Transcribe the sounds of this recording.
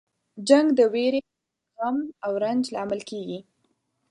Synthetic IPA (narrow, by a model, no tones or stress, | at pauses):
d͡ʒaŋɡd̪əweɾe | ɣamawɾand͡ʒlɑməlkeɡi